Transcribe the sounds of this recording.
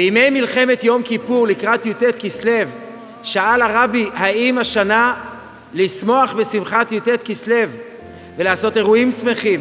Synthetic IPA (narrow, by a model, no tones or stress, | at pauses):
beime̞jmilχe̞me̞t̪jo̞mkipuʁlikʁat̪jutet̪kisle̞v | ʃaalaʁabihaimaʃana | lismo̞aχbesimχatjutet̪kisle̞v | ve̞laːso̞te̞ʁuimsme̞χim